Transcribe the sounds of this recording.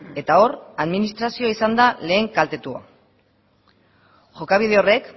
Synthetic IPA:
e̞t̪ao̞raðminist̪ɾasio̞aisand̪ale̞ːŋkalt̪e̞t̪ua̰ | ʝo̞kaβ̞ið̞e̞o̞re̞k

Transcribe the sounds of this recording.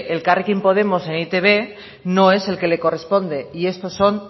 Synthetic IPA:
elkarikimpo̞ð̞e̞mo̞se̞nit̪e̞β̞e̞ | no̞e̞se̞lke̞le̞ko̞re̞spo̞nd̪e̞ie̞st̪o̞sːo̞n

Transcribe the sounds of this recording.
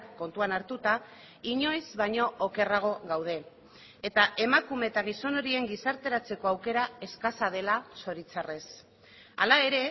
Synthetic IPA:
ko̞nt̪uanaɾt̪ut̪a | iɲo̞jzβaɲo̞ʔoke̞raɣ̞o̞ɣawð̞e̞ | et̪aʔe̞makume̞t̪aɣ̞iso̞no̞ɾie̞ŋɡisaɾt̪e̞ɾat͡se̞ko̞awke̞ɾae̞skasað̞e̞laso̞ɾit͡sare̞s | a̰lae̞ɾe̞

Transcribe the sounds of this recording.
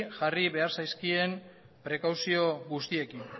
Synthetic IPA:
ʝariβe̞aɾsajskie̞m | pɾe̞kawsio̞ɣust̪ie̞kin

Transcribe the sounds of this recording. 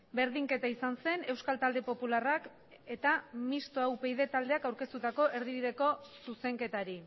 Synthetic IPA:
be̞ɾðiŋke̞t̪aisanse̞ne̞wskalt̪ald̪e̞po̞pularak | e̞t̪amist̪oawpejðe̞t̪ald̪e̞akawɾke̞st̪ut̪ako̞ʔe̞ɾð̞iβiðe̞ko̞suse̞ŋke̞t̪aɾi

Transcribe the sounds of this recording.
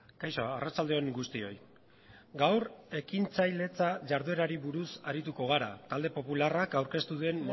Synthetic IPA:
kajsoarat͡ʃald̪e̞o̞ŋɡust̪io̞j | ɡawre̞kint͡sajle̞t͡saʝaɾðue̞ɾaɾiβuɾusaɾit̪uko̞ɣ̞aɾa̰t̪ald̪e̞po̞pularakawɾke̞st̪uðe̞n

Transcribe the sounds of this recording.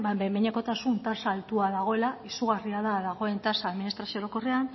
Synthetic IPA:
babemeɲako̞t̪asunt̪asaːlt̪uaðaɣ̞o̞e̞laisuɣariaðaðaɣ̞o̞e̞nt̪asaːðminist̪ɾasio̞ɾoko̞rean

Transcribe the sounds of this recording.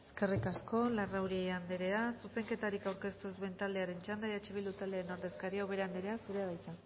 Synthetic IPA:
eske̞rikasko̞larawɾiand̪eɾe̞asuse̞ŋke̞t̪aɾikawɾke̞st̪usβe̞nt̪ald̪e̞aɾe̞nt͡ʃand̪ajat͡ʃeβild̪ut̪ald̪eaɾeno̞ɾðe̞skaɾiaoβ̞e̞ɾand̪eɾeasuɾe̞aðajt͡sa

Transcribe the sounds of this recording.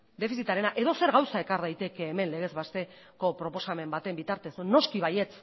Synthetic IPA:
d̪e̞fisit̪aɾe̞naʔe̞ðo̞se̞ɾɣawsae̞kaɾðajt̪e̞ke̞ːme̞nle̞ɣ̞e̞zβast̪e̞ | ko̞pɾo̞po̞same̞mbat̪e̞mbit̪aɾt̪e̞sno̞skiβaje̞t͡s

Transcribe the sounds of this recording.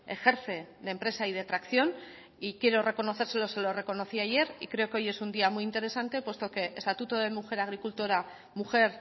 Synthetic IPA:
exe̞ɾθe̞ðempɾe̞saið̞e̞t̪ɾakθjo̞n | ikje̞ɾo̞re̞ko̞no̞θe̞ɾse̞lo̞se̞lo̞re̞ko̞no̞θiaje̞ɾikɾe̞o̞keo̞je̞sund̪iamuiint̪e̞ɾe̞sant̪e̞pwe̞st̪o̞ke̞ʔest̪at̪ut̪oð̞e̞muxe̞ɾaɣ̞ɾikult̪oɾa | muxe̞ɾ

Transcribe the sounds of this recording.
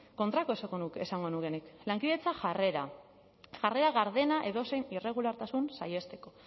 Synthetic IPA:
ko̞nt̪ɾako̞eskonuke̞saŋɡo̞nuɣeniklaŋkiðe̞t͡saʝeɾa | ʝare̞ɾaɣaɾðe̞naʔe̞ðo̞se̞jnire̞ɣ̞ulaɾt̪asunsa̰je̞st̪e̞ko̞

